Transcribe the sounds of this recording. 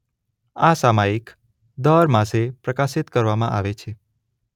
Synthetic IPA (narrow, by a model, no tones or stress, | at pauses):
asamaik | d̪əɾmãsepɾəkaʃit̪kəɾʋamã̰ʔa̰ʋet͡ʃʰe